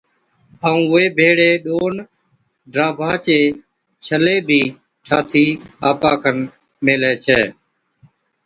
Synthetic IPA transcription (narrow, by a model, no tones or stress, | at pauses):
aːũːʊeːbʱeːɽeːɗoːn | ɖɾaːbʱaːt͡ʃeː | t͡ʃʰəleːbʱiː | t͡ʃʰaːt̪ʰiːaːpaːkʰən | meːlɛːt͡ʃʰɛː